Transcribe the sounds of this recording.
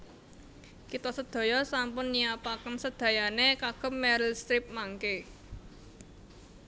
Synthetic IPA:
kit̪ɔsəd̪̥o̤jɔsampʊnːijapakənsəd̪̥ä̤janekaɡ̥ə̤p̚mɛɾəlst̪ɾɪp̚maŋke

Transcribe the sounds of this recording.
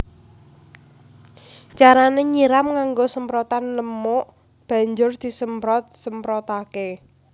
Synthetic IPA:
t͡ʃaɾaneɲiɾamŋaŋɡosəmpɾɔt̪anləmoʔ | b̥a̤ɲd͡ʒʊrd̪̥i̤səmpɾɔt̪̚səmpɾɔt̪ake

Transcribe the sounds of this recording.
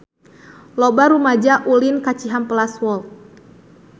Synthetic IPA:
lɔbaɾumad͡ʒaʔulinkat͡ʃiɦampəlaswɔlt̪̚

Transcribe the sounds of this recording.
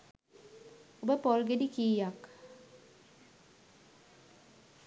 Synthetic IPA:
obəpolɡedikiːjak

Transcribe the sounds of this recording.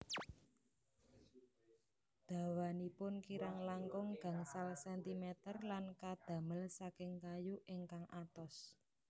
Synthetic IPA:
d̪̥ä̤wanipʊnkiɾaŋlaŋkʊŋɡ̥a̤ŋsalsɛnt̪imɛt̪ərlankad̪̥ä̤məlsakɪŋkajuʔeŋkaŋʔat̪ɔs

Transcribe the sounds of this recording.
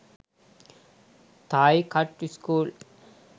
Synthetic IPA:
t̪aːjkaʈːiskuːl

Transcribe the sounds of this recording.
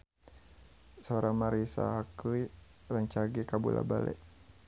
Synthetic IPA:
soɾamaɾisa̰ɦakuj | rəɲt͡ʃaɡikabulʔa̰balɛ̰ʔ

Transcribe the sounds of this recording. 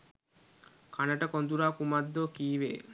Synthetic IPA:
kʰanəʈəkond̪uɾaːkumad̪ːokiːʋḛː

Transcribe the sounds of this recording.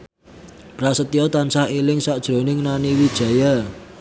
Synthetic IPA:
pɾasət̪iɔt̪ansahelɪŋsaʔd̥ʒ̥ɾo̤nɪŋnaniwid̥ʒ̥ä̤ja

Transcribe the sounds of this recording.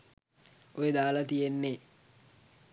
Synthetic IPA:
ojed̪aːlɐt̪ijenːe

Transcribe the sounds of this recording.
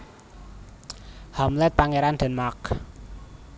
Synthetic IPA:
hamlɛt̪̚paŋeɾand̪̥ə̤nmak

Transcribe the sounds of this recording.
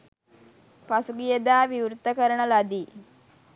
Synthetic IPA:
pasuɡijed̪aːʋiwɾt̪ːəkəɾəɳəlad̪iː

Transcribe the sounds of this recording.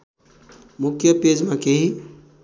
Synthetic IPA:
mʊkʰjəped͡ʒmãkeɦi

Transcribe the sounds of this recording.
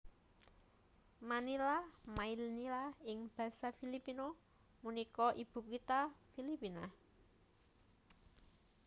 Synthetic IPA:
manilamailnilaɪŋb̥ä̤safilipino | munikɔʔib̥ṳkit̪afilipina

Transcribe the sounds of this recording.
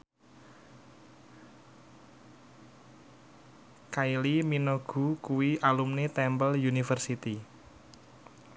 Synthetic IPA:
kailiminoɡ̥ṳkuwiʔalumnit̪ɛmbəljunifərsit̪i

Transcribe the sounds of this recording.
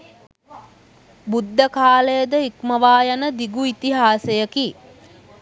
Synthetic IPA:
bud̪ʱːəkaːlejəd̪əikməʋaːjanəd̪iɡuit̪iɦaːsejəki

